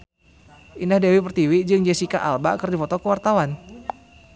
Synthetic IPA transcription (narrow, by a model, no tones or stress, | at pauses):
ʔinahdɛwipərt̪iwid͡ʒɨŋd͡ʒɛsikaʔa̰lba̰kərdifɔt̪ɔkəwart̪awan